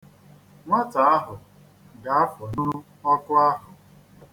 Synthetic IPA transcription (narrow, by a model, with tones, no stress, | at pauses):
ŋʷa˦ta˨a˦ɦʊ˨ | ɡa˨a˦fɔ˨nu˦ɾu˦ | ɔ˦kʊ˦a˦ɦʊ˨